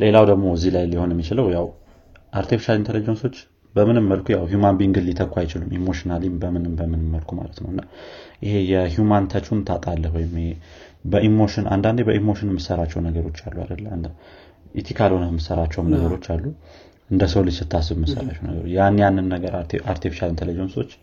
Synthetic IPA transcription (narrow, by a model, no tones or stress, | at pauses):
le̞lawd̪əɡmo̞zːihlajliho̞nɛmːit͡ʃɪləwjaw | ʔaɾt̪ʰifi̥ʃalint̪ʰələd͡ʒːonso̞t͡ʃː | bəmɨnɨmːəlkʰujawɦjumanbiŋɡɨlːit̪ʰəkʷːwajɪt͡ʃɪlumimːo̞ʃinalimbəmɨnɨmbəmɨnɨmːəlkʰuma̰lət̪nəwɨnːaʔɪhe̞jɛɦjumant̪ʰət͡ʃʰunt̪ʰat̪ʼalːəhɦwɔjɪm | bəʔimo̞ʃɪnʔa̰nd̪and̪ebəʔimːo̞ʃɨnmːɨsəɾat͡ʃːɛwnəɡəɾo̞t͡ʃːa̰lːua̰d̪əlːəmnd̪ə | ʔit̪ʰikʰalho̞nəmːɨsəɾat͡ʃːɛwmnəɡəɾo̞t͡ʃːalːu | ʔɨnd̪əsəwlɨsɨt̪ʰːasɨβmːɨsə̰ɾat͡ʃːɛwnə̰ɡə̰ɾot͡ʃjanːejanːɨnːəɡəɾaɾt̪ʰefiʃalint̪ʰələjɛwnsot͡ʃː